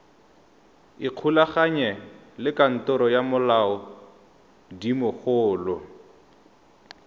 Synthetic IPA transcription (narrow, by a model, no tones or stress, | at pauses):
iq͡χʰulaχaɲɛlɪkan̩tʊɾɔjamʊlaɔ | dimʊχʊːlʊ